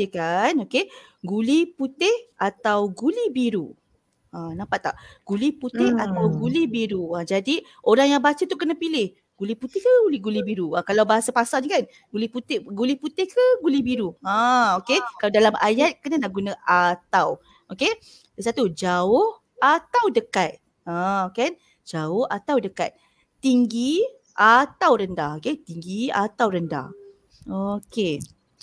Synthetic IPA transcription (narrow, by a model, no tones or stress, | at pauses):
əkanoke | ɡuliput̪ɪhʔat̪awɡulibiɾṵ | ãnãmpat̪ːa̰ʔɡ̥uliput̪ɪhat̪awɡulibiɾuãd͡ʒadi | ʔoɾaŋjaŋbat͡ʃət̪uʔkənapilɪh | ɡ̥uliput̪ɪhkəɡuliɡulibiɾuakalawbaɦasapasalɲəkan | ɡuliput̪ɪɡuliput̪ɪhkəɡulibiɾuãokekalawdalamajat̪̚kənanaʔɡunãʔat̪aw | ʔoke | dəs̬at̪ud͡ʒaʊh | at̪awdəkat̪̚ | ãkan | d͡ʒaʊhat̪awdəka̰t̪̚ | t̪iŋɡi | ʔat̪awɾəndahoket̪iŋɡia̰t̪awɾənda̰h | oke